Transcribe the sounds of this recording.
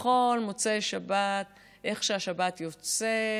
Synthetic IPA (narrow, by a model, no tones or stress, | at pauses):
χolmot͡seʃabat̪ | ʔe̞χʃeaʃabat̪jo̞t͡se